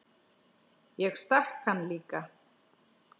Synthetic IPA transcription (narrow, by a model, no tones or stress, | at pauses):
jɛɣst̪ahkhanːliːka